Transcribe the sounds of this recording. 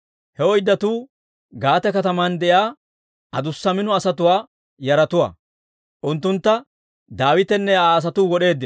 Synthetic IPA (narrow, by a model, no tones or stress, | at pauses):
hɛɔjd̪ːɐt̪uː | ɡaːt̪ɛkɐt̪ɐmand̪ɛjaː | ɐd̪ʊsːɐmɪnɔɐsɐt̪ʊwaː | jɐɾɐt̪ʊwa̰ː | ʔʊnt̪ːʊnt̪ːɐ | d̪aːwɪt̪ɛnːɛaːs̬ɐt̪uːɡɔɗe̞ːd̪ːɪ